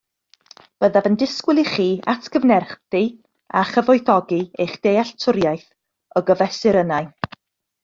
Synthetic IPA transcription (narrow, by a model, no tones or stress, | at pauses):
b̥əðavəndɪskwɪlˠiχiːatʰɡ̥əvnɛrχθi | aχəvɔɨθɔɡiejχd̥ejaɬtʰʊɾjajθ | ɔɡəvɛsɪɾənaɨ